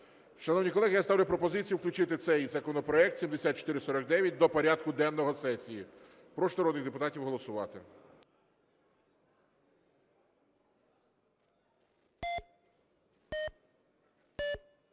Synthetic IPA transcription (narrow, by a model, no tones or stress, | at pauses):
ʃɐnɔwnʲijkɔlˠɛɦɪjast̪ɑwlʲʊpɾɔpɔzɪt͡sʲijuwklʲʊt͡ʃɪt̪ɪt̪sɛjzɐkɔnɔpɾɔɛk̚t̪ʲsʲimd̪esʲɑt̪̚t͡ʃɔ̥t̪ɪɾɪsɔɾɔk̚d̪ɛʋʲjɐt̚ʲd̪ɔpɔɾʲɑd̪̚kʊd̪ɛnːɔɦɔsɛsʲiji | pɾɔʃnɐɾɔd̪nɪɣd̪epʊt̪ɑtʲiwɦɔlˠɔsʊʋɑt̪ɪ̰